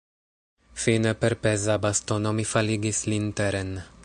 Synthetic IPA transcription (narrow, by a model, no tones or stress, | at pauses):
finəpɛɾpɛzabast̪onomifaliɡislint̪ɛɾɛn